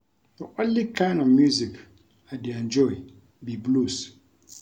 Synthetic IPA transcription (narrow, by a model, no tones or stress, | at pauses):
dəʔɔ̃nlikʰãɪ̃ndɔvmjuzik | aɪdeɛ̃nd͡ʒɔɪ | biblus